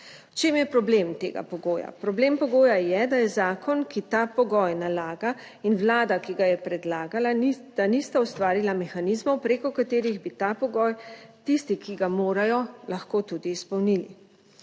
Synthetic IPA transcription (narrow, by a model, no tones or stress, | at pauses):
wt͡ʃeːmjɛpɾɔbleːmt̪ḛːɡa̰pɔɡoːja̰pɾɔbleːmpɔɡoːjajɛd̪ajɛzaːkɔnkit̪apɔɡɔjnalaːɡa | inwlaːd̪akiɡajɛpɾɛd̪laːɡalat̪anist̪aust̪ʋaːɾilamɛxanizmɔwpɾekɔkat̪eːɾiɣbit̪apɔɡɔːjt̪ist̪ikiɡamoːɾajɔlaxkoːt̪ud̪iːspɔwnilḭ